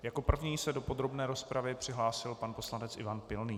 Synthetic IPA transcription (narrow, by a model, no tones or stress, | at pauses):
jako̞pr̩vɲiːsɛdo̞po̞d̪ɾo̞bnɛːɾo̞spɾavɪpr̥ɪɦlaːsɪlpanpo̞slanɛt͡sʔɪ̰vanpɪlniː